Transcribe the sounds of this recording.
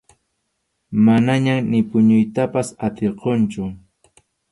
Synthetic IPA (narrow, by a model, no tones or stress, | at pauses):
manaɲanɪpʊɲʊjt̪apasat̪eɾqont͡ʃʊ